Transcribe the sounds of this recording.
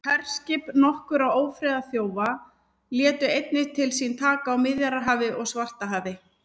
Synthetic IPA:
kʰɛr̥scɪpnɔhkʏɾawoːwfɾɛːðaθjoːwva | ljɛːt̪ʏejt̪nɪt̪ʰɪlsint̪ʰaːkaawmɪðjaɾaɦaːvɪʔɔɣsvar̥t̪aɦaːvɪ

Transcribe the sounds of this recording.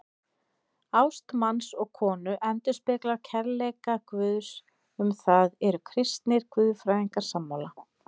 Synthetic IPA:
awst̪mansɔɣkʰɔːnʏʔɛnt̪ʏ̥spɪklaɾcʰɛɾlɛkakvʏːðs | ʏmθaðɛɾʏkʰɾɪst̪nɪɾ̥kvʏːðfɾaːjiŋkaɾ̥samːawla

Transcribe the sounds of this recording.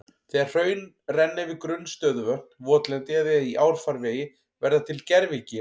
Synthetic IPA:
θɛːɣaɾ̥r̥œːɥn | rɛnːɪvɪkɾʏnːst̪œːðʏvœht̪nvɔːt̪lɛnt̪ɪaðɪaiʔaːwɾ̥faɾveːjɪ | vɛɾðat̪ʰɪlcɛɾvɪcɪ

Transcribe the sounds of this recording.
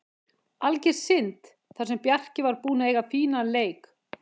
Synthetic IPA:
alcɪɾ̥sɪnt̪ | θḁsɛmpjar̥cɪvaɾpuːnaejɣafiːnaleːjk

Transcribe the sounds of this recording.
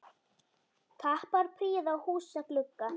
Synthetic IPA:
k̪ʰahpaɾ̥pʰɾiːðawhuːsaklʏkːa

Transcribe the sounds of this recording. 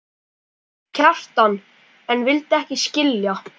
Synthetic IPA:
cʰar̥t̪an | ɛnvɪlt̪ɛhcɪscɪlja

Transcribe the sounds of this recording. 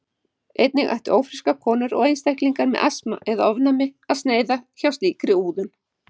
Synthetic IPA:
ejt̪̚nɪɣʔa̰ht̪ʏʔoːwfɾɪskakʰɔːnʏɾɔ̰ɣejnst̪ajhkliŋkaɾmɛ̰ðʔasma̰ʔɛðaɔvnamɪaðsneːjðaçawst̪liːkɾɪuːðʏn

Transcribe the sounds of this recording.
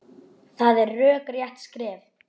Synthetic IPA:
θaðɛɾːœːkrjaht̪skɾɛːv

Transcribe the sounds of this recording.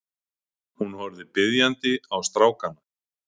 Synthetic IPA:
hunhœɾðɪpɪðjant̪ɪawst̪ɾaːwkana

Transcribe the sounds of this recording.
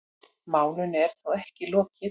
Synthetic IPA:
maːwlʏnɛɾ̥θawɛhcɪlɔːcɪ

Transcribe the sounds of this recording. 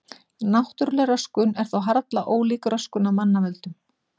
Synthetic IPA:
naht̪ʏɾlɛɾœskʏnɛɾ̥θawɦaɾt̪laʔoːwliːkɾœskʏnamanːavɛlt̪ʏm

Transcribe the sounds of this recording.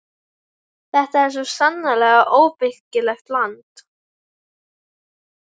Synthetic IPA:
θɛht̪aɛɾ̥s̬ɔsanːalɛːɣaʔoːwpɪhcɪlɛxt̪lant̪

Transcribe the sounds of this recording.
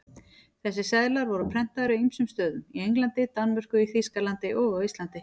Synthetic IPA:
θɛsːɪsɛðlaɾvɔɾʏpʰɾɛn̥t̪aðɾʏimsʏmst̪œːðʏmiejŋklant̪ɪt̪anmʏr̥kʏiθiskalant̪ɪʔɔɣawist̪lant̪ɪ

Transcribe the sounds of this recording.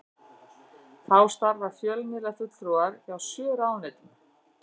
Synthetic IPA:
θawst̪aɾvaɾ̥fjœlmɪlafʏt̪lɾuaɾjawsœːɾawnɛːt̪

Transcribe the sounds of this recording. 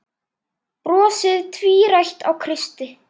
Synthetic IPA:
pɾɔːsɪðt̪ʰviːɾajht̪awkʰɾɪst̪ɪ

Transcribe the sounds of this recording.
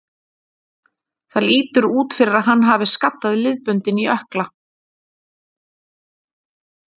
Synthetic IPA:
θaliːt̪ʏɾuːt̪fɪɾɪɾaðɦanːɦaːvɪskat̪ːaðɪlɪðpʏnt̪ɪniœhkla

